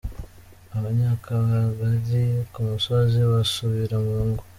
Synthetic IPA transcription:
aβaɲaːkʰaβaɡazikumusoziβasuβiɾamuːŋɡo

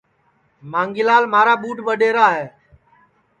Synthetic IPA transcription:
maːŋɡɪlaːlmaːɾaːɓuːʈɓəɗeːɾaːɦeː

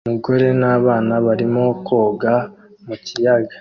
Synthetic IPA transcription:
umuɡo̞ɾe̞naːβaːnaβaɾimo̞koːɡa | mucijaɡa

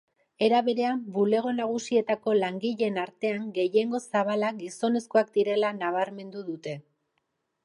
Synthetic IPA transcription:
e̞ɾaβe̞ɾe̞ambule̞ɣ̞o̞naɣ̞usie̞t̪ako̞laŋɡiʎe̞naɾt̪e̞aŋɡe̞je̞ŋɡo̞saβ̞alaɡiso̞ne̞sko̞ak̚d̪iɾe̞lanaβ̞aɾme̞nd̪uðut̪e̞

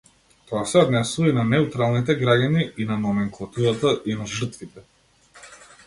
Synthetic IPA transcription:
t̪ɔasɛɔd̪nɛsuvainanɛut̪ɾalˠnit̪ɛɡɾaɟaniinanɔmɛŋklˠat̪uɾat̪aʔinaʒər̩t̪vit̪ɛ

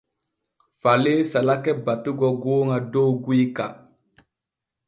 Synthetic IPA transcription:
falesalakɛbatuɡɔɡoːŋadoɡiika̰

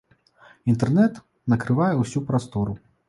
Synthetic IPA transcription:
int̪ɛrnɛt̪ | nɐkɾɨvajɛwsʲupɾast̪ɔɾʊ

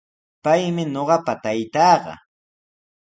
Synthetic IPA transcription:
pajmɪɲoɢɑpat̪ajt̪ɑːɢɑ̰

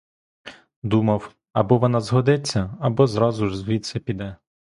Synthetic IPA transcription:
d̪umɐw | ɐbɔʋɔnɑzɦɔd̪ɪt͡sʲːɐɐbɔzɾɑzʊʒzʋʲisʲɐpʲid̪ɛ

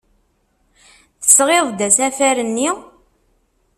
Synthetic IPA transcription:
θə̥sʁeðˤd̪æsæfæɾənːi

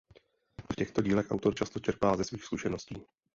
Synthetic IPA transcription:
fcɛxt̪o̞ɟiːlɛxʔawt̪o̞ɾt͡ʃast̪o̞t͡ʃɛɾpaːlzɛsviːxskuʃɛno̞sciː

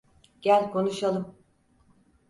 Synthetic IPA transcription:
ɟ̥ælʲkʰo̞nuʃalˠɯm

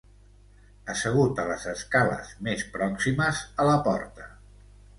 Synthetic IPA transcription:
əsəɣ̞ut̪ələzəskalə̰zmespɾɔksiməzələpɔ̰ɾt̪ə

